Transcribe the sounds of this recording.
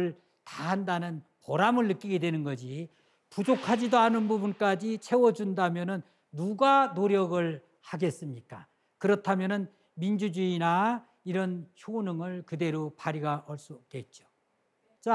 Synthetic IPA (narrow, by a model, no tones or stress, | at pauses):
ɭ | tahandanɯnpʌɾamɯɭːɯk͈iɡedwe̞nɯnɡʌd͡ʑi | pud͡ʑokʰad͡ʑidoanɯnbubunk͈ad͡ʑit͡ɕʰe̞wʌd͡ʑundamjʌnɯnː | uɡanoɾjʌɡɯɭ | haɡe̞s͈ɯmɲik͈a | kɯɾʌtʰamjʌnɯn | mind͡ʑud͡ʑuina | iɾʌnt͡ɕʰonɯŋɯɭkɯde̞ɾopaɾiɡaʔʌɭs͈uk͈et̚t͡ɕ͈o̥ | t͡ɕ͈a